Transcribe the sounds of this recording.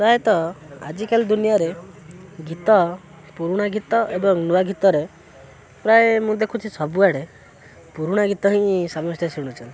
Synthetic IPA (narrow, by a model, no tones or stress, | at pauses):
pɾaet̪ɔa̰d͡ʒikald̪unijaɾe | ɡit̪ɔ | puɾuɽ̃aɡit̪ɔebɔŋnuwaɡit̪ɔɾe | pɾaemũd̪ekʰut͡ʃʰisɔbuaɽe | puɾuɽ̃aɡit̪ɔɦĩsamɔst̪jɔsiɽ̃ut͡ʃʰɔnt̪i